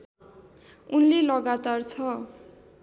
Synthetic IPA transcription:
unlelʌɡat̪art͡sʰʌ

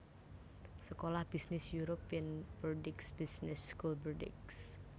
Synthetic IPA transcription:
səkolahb̥isnɪsjuɾɔpiənb̥ədɪksb̥isnɪsːkulbədɪ̰ks

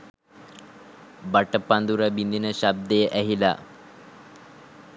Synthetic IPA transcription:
baʈəpːand̪uɾabind̪inəɕab̚d̪əjʔɛɦila̰

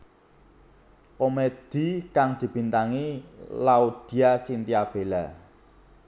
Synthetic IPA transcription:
komed̪̥i̤kaŋd̪̥i̤b̥i̤nt̪aŋilaud̪̥i̤asint̪iab̥e̤la

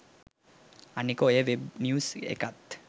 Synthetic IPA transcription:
anikoeʋebnjusḛkat̪

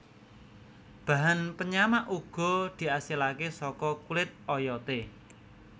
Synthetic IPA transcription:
b̥a̤ɦanpəɲamaʔuɡ̥ɔ̤d̪̥i̤asilakesɔkɔkulɪt̪̚ɔjɔt̪e

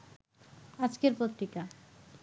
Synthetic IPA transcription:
ad͡ʑkeɾpot̪ɾika

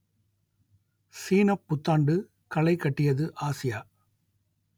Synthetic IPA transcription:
siːnɐpːʊt̪ːaːɳɖɯ | kɐɭɐɪkːɐʈːɪjɐðɯʔaːsɪjaː

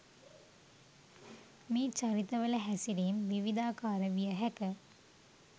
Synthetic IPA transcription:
miːt͡ʃaɾit̪əʋələɦæsiɾemʋiʋid̪aːkaːɾəʋijəɦækə

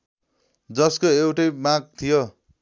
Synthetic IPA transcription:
d͡zʌskoewʈʌjmãɡ̚t̪ʰijo

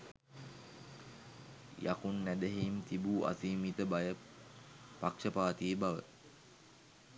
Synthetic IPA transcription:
ja̰kunːæd̪əɦimt̪ibuːʔa̰siːmit̪əbajə | pakʂəpaːt̪iːbaʋə̰

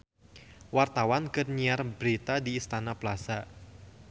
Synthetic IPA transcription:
wart̪awankərɲiarbɾit̪adiːst̪anaplasa

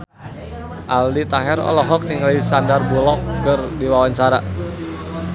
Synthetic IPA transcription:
ʔaldit̪aɦɛɾɔ̰lɔɦɔk̚niŋlisandarbulɔk̚kərdiwawaɲt͡ʃaɾa

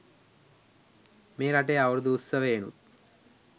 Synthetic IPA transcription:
meːɾaʈ̬ejaʋɐɾd̪uːsːəʋeːnṵt̪̚

